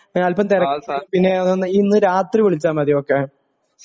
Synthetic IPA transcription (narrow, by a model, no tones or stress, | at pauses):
ɐlpɐmt̪iɾɐkpinːe̞ɐðnːinːɨɾaːt̪riʋiɭit͡ɕːaːmɐðijokːeɳ